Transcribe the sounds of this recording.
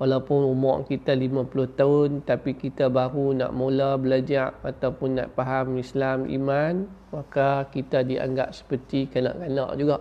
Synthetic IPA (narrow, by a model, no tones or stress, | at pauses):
walawpʊnumɔ̰ʔkit̪alimãpulʊht̪aʊnt̪apikit̪abaɾuna̰ʔmolabəlad͡ʒaʔat̪awpʊnːa̰ʔpaɦamislamḭman | wakakit̪adia̰ŋɡap̚sə̥pət̪ikana̰ʔkana̰ʔd͡ʒuɡaʔ